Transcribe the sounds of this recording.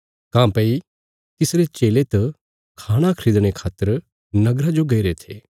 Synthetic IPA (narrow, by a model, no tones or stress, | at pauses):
kãːpɐi | t̪ɪsɾet͡ʃeːlet̪ɐ | kʰaːɽ̃akʰəɾiːd̪ɽ̃ekʰaːt̪ːəɾ | nɐɡɾad͡ʒoɡɐiɾet̪ʰeː